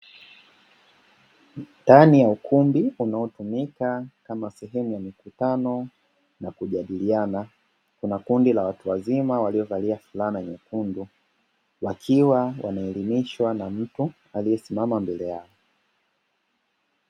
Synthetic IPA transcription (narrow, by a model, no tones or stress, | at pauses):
ndanijaukʰumbiunaɔtumikakamasɛɦɛmujamikutanɔ | nakuʄaɗiliana | kunakundilawatuwazimawaliɔvaliafulanɛɲɛkundu | wakʰiwawʔa̰naɛlimiʃwanam̩tu | alijɛsimamambɛlɛjaɔ